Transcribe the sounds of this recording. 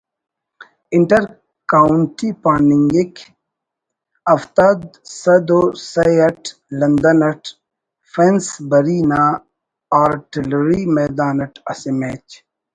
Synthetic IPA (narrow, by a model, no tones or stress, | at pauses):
iɳʈɐɾ | kaːuɳʈipaːniŋɡekʰ | ɐft̪ad̪sɐd̪osɐjɐʈʰlɐnd̪ɐnɐʈ | fensbɐɾiːna | aːɾʈilɾimeːd̪aːnɐʈʰɐsimeːt͡ʃ